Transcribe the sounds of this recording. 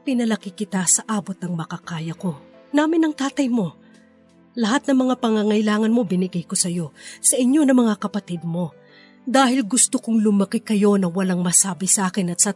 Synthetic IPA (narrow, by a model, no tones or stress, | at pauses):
pɪnɐlɐkɪkɪt̪asɐʔaːbo̞t̪̚nɐŋmɐkɐkaːjɐko̞naːmɪnɐŋt̪aːt̪ɐjmo̞ | lɐɦat̪̚nɐŋmɐŋapɐŋaŋɐjlaːŋɐnmo̞bɪnɪɡajko̞sɐjo̞sɐʔɪɲjo̞nɐmɐŋakɐpɐt̪id̪̚mo̞ | d̪aːhɪlɡʊst̪okʊŋlʊmɐkikɐjo̞nɐwɐlaŋmɐsaːbɪsɐʔaːkɪnɐt̪sɐ